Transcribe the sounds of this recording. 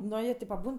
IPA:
ˈnoː jiɛ ˈtʲeː pɐˈbuːn

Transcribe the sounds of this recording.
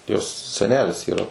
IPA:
joːs sʲɛˈnʲæːlʲɪs iːˈrɐ

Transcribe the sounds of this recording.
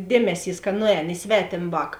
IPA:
ˈdʲeːmʲɛˌsʲiːs kɐ ˈnʊˌɛːn ɪ ˈsʲʋʲæːtʲeːm ˈʋɑːk

